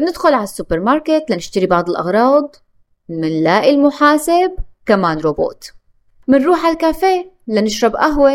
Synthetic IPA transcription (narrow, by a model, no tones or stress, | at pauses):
nɪd̪xʊlʕalasːʊpːɪɾmɑɾˤket̪lanɪʃt̪aɾibɑʕd̪ˤɨlʔɑ̰ɣɾˤɑːd̪ˤ | mɪnlaːʔɪlmʊħaːsɪb̚kamaːnɾoːbo̰ːt̪ | mɪnɾuːħalkaːfeː | lanɪʃɾˤɑbʔaɦwe